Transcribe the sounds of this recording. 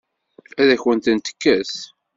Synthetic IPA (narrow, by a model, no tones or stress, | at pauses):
æðæçwənt̪ənt̪ə̥kːæθ